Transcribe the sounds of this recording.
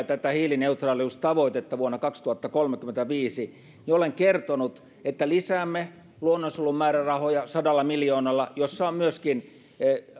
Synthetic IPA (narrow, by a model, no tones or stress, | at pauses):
t̪æt̪æhiːlineut̪rɑːliust̪ɑʋoit̪et̪ːɑʋuonːɑkɑkst̪uhɑt̪ːɑkolmekyment̪æʋiːsi | nioleŋkert̪onut̪ | et̪ːælisæːmːe | luonːonsulːummæːrærɑhojɑsɑdɑlːɑmiljoːnɑlːɑjosːɑommyøskin